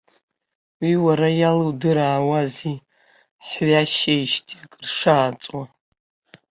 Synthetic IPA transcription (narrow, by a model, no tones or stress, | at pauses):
wiwaɾajalɨwdɨɾaːwazi | ħɥaʃejʃtʼʰiakʼrʂaːt͡sʼwa